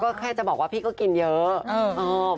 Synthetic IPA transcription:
kɔː˥˩kʰaː˥˩jt͡ɕa˨˩ʔbɔː˨˩k̚waː˥˩pʰiː˥˩kɔː˥˩ki˧njɤː˦˥ʔːʔɔː˧˩

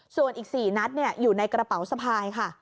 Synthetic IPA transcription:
su˨˩ənʔiː˨˩k̚siː˨˩na˦˥t̪̚ni˥˩ɐjuː˨˩na˧jkɾa˧pa˩˦wsa˧pʰaː˧jkʰa˥˩

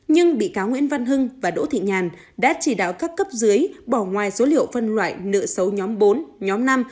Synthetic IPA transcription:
ɲɨ˧ŋɓḭ˧˨kaː˨˦wŋwḭ˧˥ənva˧nɦɨ˧ŋvaː˨˩ɗo̰˧˥t̪ʰḭ˧˨ɲaː˨˩n | ɗa̰ː˧˥t͡ɕi˧˩ɗa̰ː˧˨wkaː˦˥p̚kə˦˥p̚zɨ˨˦əjɓɔ˧˩ŋwaː˨˩jso˨˦lḭ˧˨əwfə˧nlwa̰ː˧˨jnɨ̰˧˨əsə˨˦wɲɔ˨˦mɓo˨˦nɲɔ˨˦mna˧m

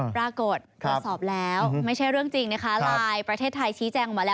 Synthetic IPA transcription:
pɾaː˧ko˨˩t̪̚ːɾsɔː˨˩p̚lɛː˦˥wma˥˩jt͡ɕʰa˥˩jɾɯ˥˩əŋt͡ɕi˧ŋna˦˥kʰa˦˥laː˧jpɾa˧t̪ʰeː˥˩t̪ʰːa˧jt͡ɕʰiː˦˥t͡ɕɛː˧ŋɔ˨˩maː˧lɛː˦˥

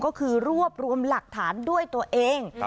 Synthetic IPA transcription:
kɔː˥˩kʰɯː˧ɾu˥˩əp̚ɾu˧əmla˨˩k̚t̪ʰaː˩˦ndu˥˩əjt̪u˧əʔeː˧ŋ

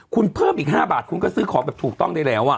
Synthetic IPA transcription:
kʰu˧npʰɤː˥˩mʔiː˨˩k̚ɦaː˥˩baː˨˩t̪̚kʰu˧nkɔː˥˩sɯː˧˥kʰɔː˦bɛː˨˩p̚t̪ʰuː˨˩k̚t̪ɔ˥˩ŋdaː˧jlɛː˦˥wʔa˨˩

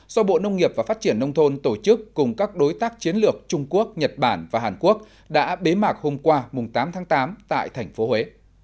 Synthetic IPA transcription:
zɔ˧ɓo̰˧˨nə˧wŋ͡mŋi˨˩əp̚vaː˨˩faː˦˥t̚t͡ɕi˧˩ənːə˧wŋ͡mt̪ʰo˧nt̪o˧˩t͡ɕɨ˦˥kːʊ˨˩ŋ͡mkaː˦˥k̚ɗo˨˦jt̪aː˦˥k̚t͡ɕi˨˦ənlɨ˨˩ək̚t͡ɕʊ˧ŋ͡mku˦˥ək̚ɲə˨˩t̚ɓaː˧˩nvaː˨˩ɦaː˨˩nku˦˥ək̚ | ɗa̰ː˧˥ɓe˨˦maː˨˩t̚ho˧mkwaː˧mʊ˨˩ŋ͡mt̪aː˨˦mt̪ʰaː˨˦ŋt̪aː˨˦mt̪a̰ː˧˨jt̪ʰɛ˨˩jŋ̟fo˨˦hwe˨˦

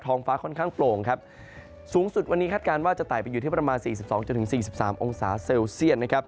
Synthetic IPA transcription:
t̪ʰɔː˧ŋfaː˦˥kʰɔ˥˩nkʰaː˥˩ŋploː˧˩ŋkʰa˦˥p̚ | suː˩˦ŋsu˨˩t̪̚wa˧nːi˦kʰaː˥˩t̪̚kaː˧nwaː˥˩t͡ɕa˨˩t̪aː˨˩jpa˧ju˨˩t̪iː˥˩pɾa˧maː˧nsiː˨˩s̬i˨˩p̚sɔː˩˦ŋt͡ɕo˧nt̪ʰɯ˩˦siː˨˩s̬i˨˩p̚saː˩˦mʔo˧ŋsaː˩˦se˧wsi˥˩ət̪̚na˦˥kʰa˦˥p̚

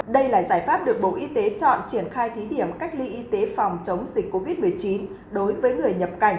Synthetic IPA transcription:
ɗə˧jlaː˨˩zaː˧˩jfaː˦˥p̚ɗɨ˨˩ək̚ɓo̰˧˨ʔi˧t̪e˨˦t͡ɕɔ̰˧˨nt͡ɕi˧˩ənxaː˧jt̪ʰi˨˦ɗi˧˩əmka˦˥jk̟̚li˧ʔi˧t̪e˨˦fa˨˩wŋ͡mt͡ɕə˨˦wŋ͡mzï˨˩k̟̚ʲkːo˧vi˦˥t̚m˨˩əjt͡ɕi˨˦n | ɗo˨˦jvəː˨˦jŋɨ˨˩əjɲə˨˩p̚ka˧˩jŋ̟

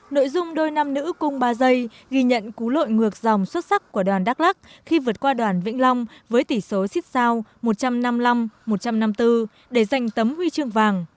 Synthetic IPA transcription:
no̰˧˨jzʊ˧ŋ͡mɗo˧jna˧mnɨ̰˧˥kʊ˧ŋ͡mɓaː˧zə˧j | ɣi˧ɲə̰˧˨nku˨˦lo̰˧˨jŋɨ˨˩ək̚za˨˩wŋ͡mswə˦˥t̚sa˦˥k̚kːu˧˩əɗwaː˨˩nɗaː˦˥k̚la˦˥k̚xi˧vɨ˨˩ət̚kwaː˧ɗwaː˨˩nvḭ˧˥ŋ̟la˧wŋ͡mvəː˨˦jt̪i˧˩so˨˦si˦˥t̚zaː˧wmo˨˩t̚t͡ɕa˧mna˧mla˧mːo˨˩t̚t͡ɕa˧mna˧mt̪ɨ˧ | ɗe˧˩za˨˩jŋ̟t̪ə˨˦mhwi˧t͡ɕɨ˧əŋvaː˨˩ŋ

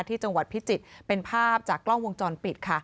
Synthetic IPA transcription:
t̪ʰiː˥˩t͡ɕa˧ŋwa˨˩t̪̚pʰi˦˥t͡ɕi˨˩t̪̚pe˧npʰaː˥˩p̚t͡ɕaː˨˩kːlɔ˥˩ŋwo˧ŋt͡ɕɔː˧npi˨˩t̪̚kʰa˥˩

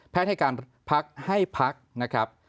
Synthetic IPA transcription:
pʰɛː˧˦˥t̚ha˥˩kaː˧n | pʰa˦˥k̚ha˥˩jpʰa˦˥k̚na˦˥kʰɾa˦˥p̚

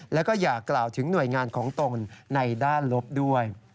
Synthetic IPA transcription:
lɛ˦˥wkɔː˥˩jaː˨˩kːlaː˨˩wt̪ʰɯ˩˦ŋnu˨˩əjŋaː˧nkʰɔː˩˦ŋt̪o˧nːa˧jdaː˥˩nlo˦˥p̚du˥˩əj

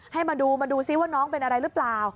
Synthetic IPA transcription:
ha˥˩jmaː˧duː˧maː˧duː˧si˧˦˥waː˥˩nɔː˦˥ŋpe˧nʔa˧ɾa˧jɾɯ˦˥plaː˨˩w

